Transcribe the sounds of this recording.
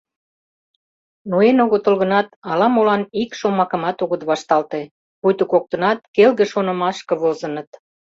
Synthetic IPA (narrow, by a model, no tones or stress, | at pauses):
noenoɣot̪olɣə̆nɑt̪ɑlɑmolɑnikʃomɑkə̆mɑt̪oɣət̪βɑʃt̪ɑlt̪e | pujt̪okok̚t̪ə̆nɑt̪̚kelɣeʃonə̆mɑʃkə̆βozənət̪